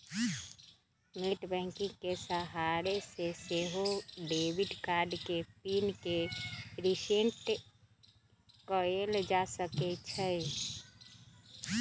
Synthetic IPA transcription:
miʈbɛ̃ŋkĩŋkesəɦaɾeseseɦoɖebiɖkaɾɖkepinkeɾiseɳʈ | kɔeld͡ʒasəket͡ʃʰə

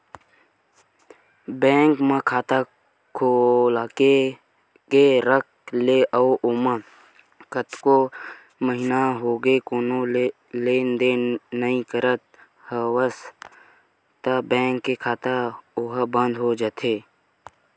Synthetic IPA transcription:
bɛ̃ːŋkmə̃kʰaːt̪a | kʰolaːke | keɾək̚leʔəoʔʊmə | kət̪ko | məɦɪnaɦoːɡekoːno | leːnd̪enəĩkəɾət̪̚ | həwəs | t̪abɛ̃ːŋkːekʰaːt̪aʊɦbə̃nd̪ʱɦod͡ʒaːt̪ʰeː

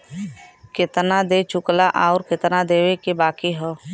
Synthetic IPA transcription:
kɪt̪nad̪et͡ʃʊklaʔaɔɾkɪt̪nad̪eːwekebaːkiɦɛː

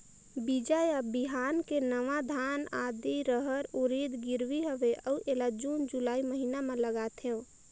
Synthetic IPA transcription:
bid͡ʒajabiɦankenəʋad̪ʱanad̪iɾəɦəɾuɾid̪ɡiɾʋiɦəʋeʔəuʔelad͡ʒund͡ʒulaiməɦinameləɡat̪ʰeũ

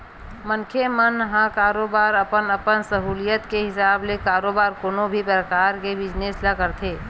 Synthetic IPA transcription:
məŋkʰemənɦãkaːɾoːbaːɾɐpənəpənsəɦuːlɪjət̪keɦɪsaːblekaːɾoːbaːɾkoːnobʱipɾəkaːɾkebɪd͡ʒneːslakəɾt̪ʰeː

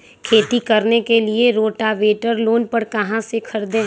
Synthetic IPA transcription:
kʰeːt̪ikɐɾnekelieɾoːʈaʋeːʈəɾloːnpɐɾkɐɦãsekʰɐɾd̪ẽː

